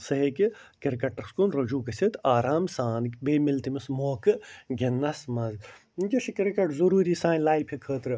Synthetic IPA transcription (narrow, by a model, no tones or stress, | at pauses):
sɐɦikikɐɾkɐʈɐɾskunɾɐd͡ʒuːkɐsʲit̪aːɾaːmsaːnkʲbeːmilt̪imɨsmoːkɨɡenːɐsmɐz | d͡ʒɐʃikɐɾkɐʈzɐɾuːɾiːsaːnlaːjpʰikʰəːt̪ɾɨ